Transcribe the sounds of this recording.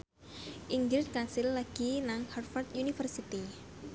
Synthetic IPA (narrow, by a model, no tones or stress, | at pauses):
ʔiŋɡɾɪt̪̚kasilːaɡ̥inaŋharfart̪unifərsit̪i